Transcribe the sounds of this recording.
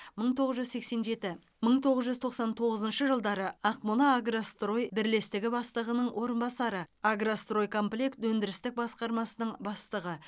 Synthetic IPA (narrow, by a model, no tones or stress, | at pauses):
məɴt̪ʰoʁəzʒʏzse̞kse̞nʒe̞t̪ɪ | məɴt̪ʰo̞ʁəzʒʏzt̪ʰo̞qsɑnt̪ʰo̞ʁəzənʃəʒəlˠd̪ɑɾəɑqmulˠɑaɡrast̪ro̞jbɪɾle̞st̪ɪɡʲɪbɑst̪əʁənəɴwʔo̞ɾənbɑsɑɾəaɡrast̪ro̞jkʰo̞mplʲekt̪wɵnd̪ɪɾɪst̪ɪk̚bɑsqɑɾmɑsənəɴbɑst̪əʁə